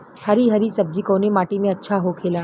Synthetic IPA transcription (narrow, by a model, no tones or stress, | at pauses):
hɐɾiɦɐɾisɐb̚d͡ʒikoːnemaːʈimẽɐtːʃʰaɦokʰeːlaː